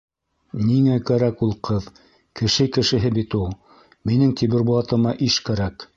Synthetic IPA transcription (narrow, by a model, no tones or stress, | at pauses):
niŋækæɾækulˠqʰɤð | kɘ̆ʃɘkɘ̆ʃɘ̆ɦɘbit̪ulˠ | minɘŋt̪iβɘ̆ɾbuɑt̪ɤ̆mɑʔiʃkæɾæk